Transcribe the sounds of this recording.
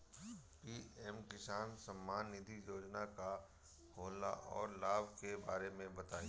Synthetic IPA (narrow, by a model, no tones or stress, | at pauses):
piːɛmkɪsaːnsɐmːaːnːɪd̪ʱijoːd͡ʒnaka | hoːla̰ʔɔ̰ːɾlaːbʱkebaːɾemẽbɐt̪aːĩ